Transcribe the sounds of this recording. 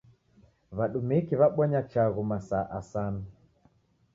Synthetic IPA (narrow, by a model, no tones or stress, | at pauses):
βaɗumikiβaɓwaɲat͡ʃaɣumasaːʔasana